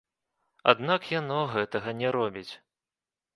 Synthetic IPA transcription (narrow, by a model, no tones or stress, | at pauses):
a̰d̪nakjanɔɣɛt̪ɐɣɐnʲɛɾɔbʲit͡sʲ